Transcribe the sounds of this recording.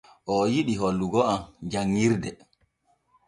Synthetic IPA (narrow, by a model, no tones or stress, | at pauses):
ʔɔjiɗiɦolːuɡɔamd͡ʒaŋːiɾdɛ